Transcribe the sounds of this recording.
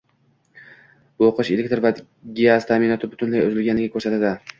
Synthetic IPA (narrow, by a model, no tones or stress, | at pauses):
boqɨʃelek̚ʲt̪ɾva | ɡʲiast̪ʰamɪnɒt̪ʰɪbʊt̪ʰʊnlajʊzɪlɡʲanɪɡʲakʰɵɾsat̪ad̪ɪ